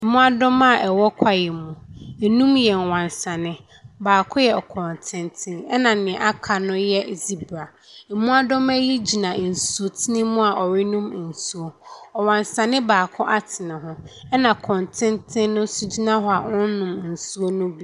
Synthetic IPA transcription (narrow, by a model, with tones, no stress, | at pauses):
mũ˦a˦dɔ˦ma˦˨ʔɛ˨wɔ˦kʷʰa˦jɛ˨mũ˨ɛ˨nũ˦mjɛ˨n˨wã˨nsã˨nɪ̃˦ | baː˨kʰʊ˦jɛ˨kʰɔ̃˨ntʰɪ̃˦ntʰɪ̃˦nɛ˦nã˨nɪ̃˨ɛ˨ʔa˦kʰa˨nʊ̃˦jɛ˦˨zi˦bɾa˨ | mũ˦a˦dɔ˦mæ˦ji˦d͡ʑi˨nã˨n̩˨su˨o˨tʰɪ˦nɪ̃˦mũ˦a˨ʔɔ˨ɾɪ˦nũ˦m˨n̩˨su˦o˨ɔ˨wã˨nsã˨nɪ̃˦baː˨kʰʊ˦ʔa˦tʰɪ˨nɪ̃˨ɦʊ̃˦ɛ˦nã˨kʰɔ̃˨ntʰɪ̃˦ntʰɪ̃˦nnʊ̃˦su˦d͡ʑi˦nã˦ɦɔ˦a˨ʊ̃˦n˦nʊ̃˨mn̩˨su˦o˦nʊ̃˦bi˦˨